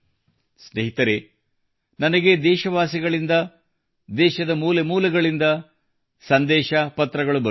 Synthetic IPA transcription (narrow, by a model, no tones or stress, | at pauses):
sneɦit̪ɐɾe̞ | nɐnɐɡe̞d̪ɛːʃɐʋaːsiɡɐɭind̪ɐ | d̪ɛːʃɐd̪ɐmuːlemuːlɐɡɐɭind̪ɐ | sɐnd̪ɛːʃɐpɐt̪ɾɐɡɐɭubɐ